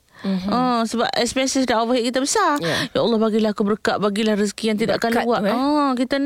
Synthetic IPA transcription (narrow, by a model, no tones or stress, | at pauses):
ɔ̃səba̰p̚ɛ̰spɛnsisdaovəɦiʔkit̪əbəsajaʔalːɔhbaɡilahakubəɾkaʔbaɡilahris̬kijaŋt̪̬idaʔakanluaʔɔkit̪ən